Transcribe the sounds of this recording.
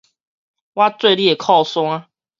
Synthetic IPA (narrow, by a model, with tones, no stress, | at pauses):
wa˦t͡swe˥˧ɪljɛ˥˨˩kʰɔ˥˨swa˦